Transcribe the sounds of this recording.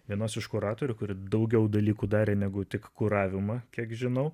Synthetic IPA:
ʋʲiɛnoːsɪʃkʊɾɑːt̪oːɾʲʊkʊɾʲɪd̪ɐʊɡʲɛʊd̪ɐlʲiːkuːd̪ɑːɾʲeːnʲæɡʊt̪ʲɪkkʊɾɑːʋʲɪmɐkʲiɛkʒʲɪnɐʊ

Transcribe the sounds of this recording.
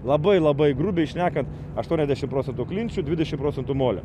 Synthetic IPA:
lˠɐbɐɪlˠɐbɐɪɡɾʊbʲɛɪʃʲnʲæːkɐnt̪ | ɐʃt̪uɔnʲɛzʲd̪ʲæːʃʲɪmpɾoːsʲɛnt̪uklʲɪnʲt͡ʃʲud̪ʲʋʲɪdʲɛʃʲɪmpɾoːt͡s̪ʲɛnt̪umoːlʲɛ̰

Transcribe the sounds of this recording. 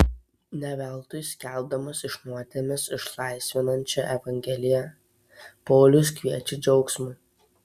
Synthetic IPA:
nʲɛʋʲɛlˠt̪ʊjsʲkʲɛˑlˠb̚d̪ɐmɐsɪʃnuɔt̪ʲemʲɪsɪʃlˠɑˑɪsʲʋʲɪnɐnʲt͡ʃʲɛʔɛʋɐŋʲɡʲɛlʲɪjɛ | poːlʲʊskʲʋʲiɛt͡ʃʲɪd͡ʒʲɒʊksmʊɪ

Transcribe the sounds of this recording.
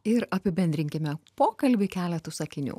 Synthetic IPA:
ɪɾɐpʲɪbʲɛnʲd̪ʲɾʲɪŋʲkʲɪmʲɛpoːkɐlʲbʲɪkʲæːlʲɛt̪usɐkʲɪnʲṵː

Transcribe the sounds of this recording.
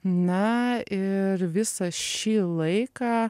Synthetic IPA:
nɐɪɾʋʲɪsɐʃʲiːlˠɐɪkɑː

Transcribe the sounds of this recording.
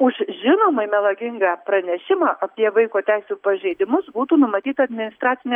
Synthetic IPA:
ʊʃʒʲɪnoːmɐɪmʲɛlˠɐɡʲɪŋɡɑːpɾɐnʲɛʃʲɪmɑːʔɐpʲiɛʋɐɪkoːt̪ʲæɪsʲuːpɐʒʲɛɪd̪ʲɪmʊsbuːt̪uːnʊmɐt̪ʲiːt̪ɐɐd̪ʲmʲɪnʲɪst̪ɾɑːt̪sʲɪnʲɛ

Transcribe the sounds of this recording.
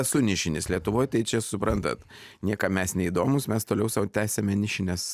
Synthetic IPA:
sʊnʲɪʃʲɪnʲɪslʲiɛt̪ʊʋoːjt̪ɐɪt͡ʃʲɛsʊpɾɐnt̪ɐ̰t̪ | nʲiɛkɐmʲɛsnʲɛiːd̪oːmʊsmʲɛst̪oːlʲɛʊsɐt̪ʲæːsʲɛmʲɛnʲɪʃʲɪnʲɛs

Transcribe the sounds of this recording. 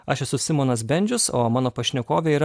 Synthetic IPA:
ɐʃʲɛsʊsʲɪmoːnɐs̬bʲɛnʲd͡ʒʲʊsoːmɑːnoːpɐʃʲnʲɛkoːʋʲɛiːɾɐ

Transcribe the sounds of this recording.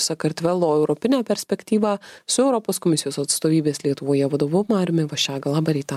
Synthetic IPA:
sɐkɐɾʲt̪ʲʋʲɛlˠoːɛʊɾɔpʲɪnʲæːpʲɛɾʲsʲpʲɛkt̪ʲiːʋɑːsʊɛʊɾɔpoːskɔmʲɪsʲɪjoːsɐt̪st̪oːʋʲiːbʲeːslʲiɛt̪ʊʋoːjɛʋɐd̪oːʋʊmɑːɾʲmʲɪʋɐʃʲæːɡɐlˠɑːbɐɾʲɛɪt̪ɐ

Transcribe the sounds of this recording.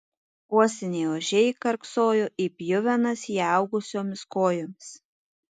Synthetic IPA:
uɔsʲɛnʲeːoːʒʲɛɪkɐɾksoːjoʔiːpʲjʊʋʲɛnɐsjɑˑʊɡʊsʲoːmʲɪskoːjoːmʲɪs

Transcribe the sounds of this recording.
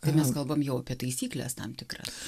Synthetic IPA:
t̪ɐɪmʲɛskɐlˠbɐmjɛʊɐpʲiɛt̪ɐɪsʲiːklʲɛ̰st̪ɐ̰mt̪ʲɪkɾɐ̰

